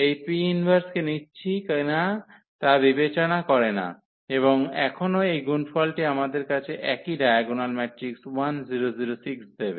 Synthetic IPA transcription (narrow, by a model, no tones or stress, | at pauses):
ejpiinbʱaɾskenitːɕʰikna | t̪abibet͡ɕonakɔɾena̰ | eβoŋɛkʰonoejɡunfɔlʈiamad̪eɾkat͡ɕʰeʔɛkiɖajaɡonalmɛʈɾikswanziɾoziɾosiksd̪ebe